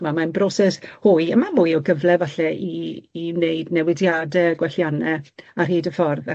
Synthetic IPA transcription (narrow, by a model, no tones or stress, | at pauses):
mamanbrɔsɛshʊjəmamʊjɔɡəvlɛvaɬɛiːneɨdnɛwɪdjaːdɛɡwɛɬjanɛarɦiːdəfɔrð